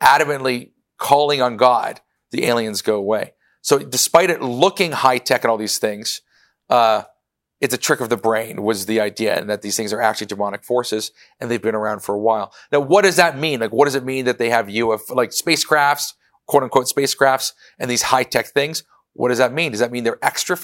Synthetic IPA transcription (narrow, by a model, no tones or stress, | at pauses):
ʔæɾɨmɨ̃nʔli | kʰɔlˠɪ̃ŋə̃nɡɑd̪̚ | ðiʔḛɪlˠiɨ̃nzɡoʊəweɪ | soʊdɨspaɪɾɨtˡlʊkɪ̃ŋhaɪtʰɛkɨ̃ñɔlˠðiz̥θɪ̃ŋz̥ | ʌ | ɨtsɨtʰɹ̥ɪkʌvðɨbɹẽɪ̃nwʌzðiaɪdiɨ̰ɨ̰̃nðɨt̪̚ðiz̥θɪ̃ŋzə˞æ̰k̚t͡ʃʉl̩ˠidəmɑnɨkfɔɹsɨz | ɨ̃nðeɪvbɨ̃ñə˞ãʊ̃nd̥fə˞əwaɪlˠnaʊwʌt̚d̥ʌzðət̚mĩnlaɪkwʌt̚d̥ʌzɨt̚mĩnðɨt̪̚ðeɪɨvjʉɛflaɪkspeɪskʰɹ̥æfts | kʰw̥oʊɾn̩kʰwoʊtspeɪskʰɹ̥æfts | ɨ̃nðiz̥haɪtʰɛk̚θɪ̃ŋz̥ | wʔʌ̰t̚d̥ʌzðɨt̚mĩndʌzðɨt̚mĩnðə˞ʔɛkstɹ̥ɨ